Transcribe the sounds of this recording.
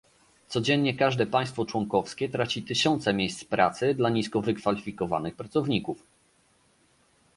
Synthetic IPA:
t̪sɔd͡ʑɛɲɲɛkaʐd̪ɛpaj̃st̪fɔt͡ʂwɔŋkɔfskʲɛt̪ɾat͡ɕit̪ɘɕɔnt̪sɛmʲjejst̪spɾa̰t̪sɘd̪laɲiskɔvɘkfalʲifʲikɔva̰nɘxpɾat̪sɔvɲikuf

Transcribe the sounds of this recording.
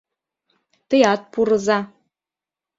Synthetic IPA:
tɨjat̚pʰurɨza

